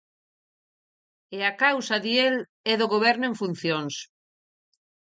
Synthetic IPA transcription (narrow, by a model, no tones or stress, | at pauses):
eakawsaðiel | ɛðoɣoβ̞ɛɾnoẽɱfun̟θjoŋs